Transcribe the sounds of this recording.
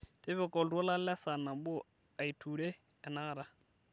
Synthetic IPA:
tʼɛ˦βɛ˨kʼɔ˨dwɔ˦la˦lɛ˦sa˨na˨bu˦ | a˨i˨tʰu˨ɺɛ˦ | ɛ˨naː˦ɾa˦

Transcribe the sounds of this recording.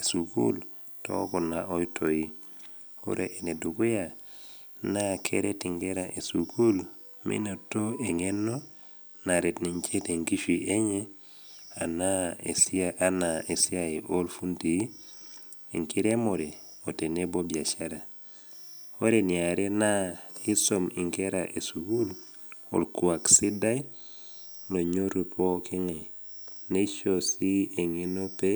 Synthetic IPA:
e˨su˨kṵ˦l | to̰˦ku˨na˨ʔo˦jtʰo˨i˦ | o̰˦ɾʔe˨ʔe˨ne˨du˨ɡu˦ja˨ | na˦kʰḛ˦ɾe˦ti˨ŋɡe˦ɾa˨ʔe˨suku˦l | mḭ˦no˨to˦e˨ŋe˦no˦ | na˨ɾe˨tni˨ɲt͡ʃe˦te˨ŋɡi˦ʃi˨ʔe˦ɲe˦ | a˨na˦esi˦aa˦nae˨si˦a˨i˨ʔo˦lfu˦nti˨i˦ | ḭ˨ŋki˦ɾe˦mo˨ɾe˨o˨te˨ne˦bo˦bi˨a˨ʃa˦ɾa˨ | o˦ɾe˨ni˨a˨ɾe˦na˦i˦so˨mḭ˨ŋke˦ɾa̰ʔe˨su˨ɡu˦l | o̰˨lkua˨ksi˦da˦j | lo˨ɲo˦ɾu˨pʰo˦ki˦ŋe˨ | ne˦ʃosi˦e˨ŋi˦no˦pe˦

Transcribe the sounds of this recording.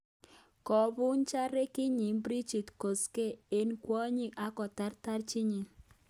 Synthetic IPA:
kɔ˨bʊ˦nt͡ʃa˦ɾe˦kɪ˦ɲi˨mbɾi˦d͡ʒi˨tko˨ske˦e˦nkwɔ˦ɲɪ˦ka˦kɔ˨ta˦ɾta˦ɾt͡ʃɪ˦ɲi˨ŋ

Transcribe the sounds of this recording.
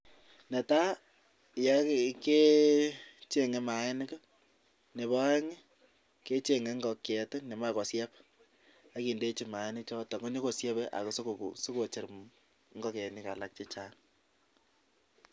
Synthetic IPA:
nɛ˨ta˦˨ | ja˦ke˦ | t͡ʃe˦ŋe˨ma˨ɛ˦nɪ˦k | ne˨bɔ˦ŋe˦ | ke˦t͡ʃe˨ŋe˨˦ŋɡɔ˨kɛ˨tɪ˦ne˨ma˦kɔ˨sjɛ˦p | a˦ki˨nde˦t͡ʃi˦ma˨e˦nɪ˦t͡ʃɔ˦tɔ˨ŋɡɔ˦ɲo˦ko˨sjɛ˦bɛ˦ʔa̰˨ko˨so˦ko˨so˦ko˨t͡ʃe˨ɾm | ŋɡɔ˦kɛ˨ni˦ka˨la˦k̚t͡ʃe˦t͡ʃa˦ŋ

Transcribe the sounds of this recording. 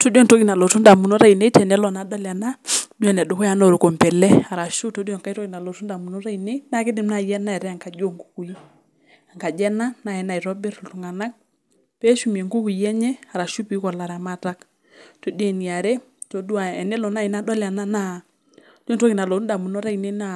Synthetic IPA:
to˦di˦ɔ˦˨nto˦kɪ˨na˨lɔ˨tu˦nda˨mu˨nɔ˦ɾa˦˨i˨ne˦tɛ˨nɛ˦lɔ˨na˨dɔ˦la˨na˦du˦a˨nɛ˨dʊ˨kɔ˦ja˨˦nɔ˨ɾu˨ko˨mpɛ˨lɛ˦a˨ɾa˨ʃu˦to˦dɔ˨ŋka˦i˦tɔ˦kɪ˨na˨lɔ˨tu˦nda˨mu˨nɔ˦ɾa˦i˨ne˦i˦na˦kɪ˦dɪ˦˨m˦na˨jɛ˦na˦ɛ˨ɾɛ˦a˨ŋka˨d͡ʒo˦ŋku̥˦ku˨i˦ | a˨ŋka˨d͡ʒɛ˦na˦na˦˨ɛ˨na˨i˨ɾɔ˦be˦ɾɔ˨tu˨ŋa˨na˦k̚ | pɛ˦ʃu˨˦m˨e˨ŋɡu˦ku˨i˨jɛ˦ɲɛ˦a˨ɾa˨ʃu˦pi˦kɔ˨la˨ɾa˨ma˦˨ta˦k | to˨di˦ɛ˨ni˨a˨ɾɛ˦ | to˨˦du˦a˨ɛ˨nɛ˦lɔ˨na˦˨i˨na˦dɔ˦la˨na˦na˦ | d͡ʒo˦ntɔ˦kɪ˨na˨lo˨tu˦nda˨mu˨no˦ɾa˦i˨ne˦na˦˨

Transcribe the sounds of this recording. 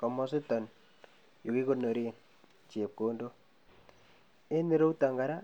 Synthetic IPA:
kɔ˨mɔ˦si˦tɔ˨n | jo˨ki˦ko˦no˨ɾi˦n | t͡ʃe˨p̚koː˨ndo˦ | e˦ni˦ɾo˦uta˨ŋɡa˨ɾa˦

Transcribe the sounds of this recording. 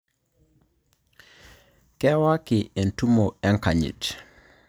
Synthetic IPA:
kɛ˦wa˦kɪ˨e˨ntu˦mo˨ɛ˦ŋka˨ɲḭ˨t

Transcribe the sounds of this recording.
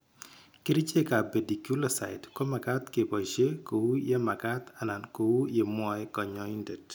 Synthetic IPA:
ki˦ɾi˦t͡ʃe˦ka˨be˨di˨kju˦la˦sa̰˨ɪdko˦ma˨ka˦t̪ke˨pɔ˨iʃe˦ko˨wu˦je˦ma˨ka˦t̪a˨na˨nko˨wu˦je˨mwɔ˦ɛ˦kɔ˨ɲɔ˦i˦nde˨d

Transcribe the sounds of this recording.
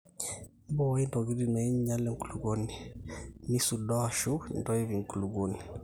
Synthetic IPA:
m˦bɔ˦wa˦i˦ndɔ˨ɡi˦ɾi˨na˨i˦ɲ˦ɲa˦lɛ˦ŋ̩˨ku˨lu˨ɡɔ˦ni˨ni˦su˨dɔ˦a˨ʃu˦ndɔ˦i˦vi˨ŋ˨ku˨lu˨ɡo˦ni˨

